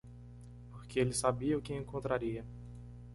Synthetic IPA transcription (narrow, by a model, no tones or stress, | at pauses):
poɾkeelɪsabiɐʊkɪẽŋkõnt̪ɾaɾiɐ